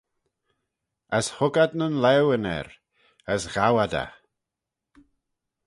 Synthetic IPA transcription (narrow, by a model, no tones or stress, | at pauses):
əshʊɡad̪nənlɛwənɛ̰ɾ | əsɣ̥awad̪a̰